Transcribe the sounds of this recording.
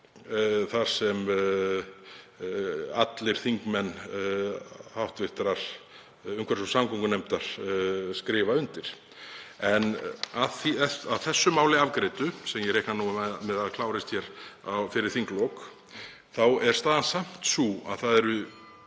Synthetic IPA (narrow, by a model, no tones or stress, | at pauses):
θaɾ̥sɛm | at̪lɪɾ̥θiŋkmɛnː | hawht̪vɪht̪ɾaɾ̥ | ʏmkʰvɛɾsɔsamkʰɔŋkʏnejmt̪aɾ̥skɾɪːvaʏnt̪ɪɾ̥ | ɛnaðθiɛaðθɛsːʏmaːwlɪavkɾɪːt̪ʏsɛmjɛɾehknanuaɛmɛðaðkʰlaːwɾɪst̪çɛɾ̥awfɪɾɪɾ̥θiŋklɔːk | θawɛɾ̥st̪aːðansam̥t̪sua̰ðθaðɛɾʏ